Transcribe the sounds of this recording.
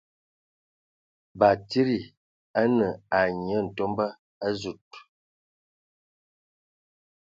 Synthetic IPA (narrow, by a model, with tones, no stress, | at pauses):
ba˨ti˦ɾi˨ | a˦nə˨a˨ɲi˨ə˦n̩˨to˦mbə˦ | a˦zu˨t̚